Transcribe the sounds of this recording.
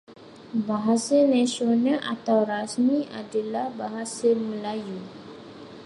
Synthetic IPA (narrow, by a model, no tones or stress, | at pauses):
baɦasanasionaʔa̰t̪awrasmiadalahbaɦasaməlaju